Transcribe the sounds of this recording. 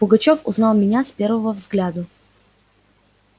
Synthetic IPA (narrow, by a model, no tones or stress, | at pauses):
b̥oɡɐt͡ʃɔfʊ̰znalˠminʲaspʲɛɾvəvəvzɡlʲad̪ə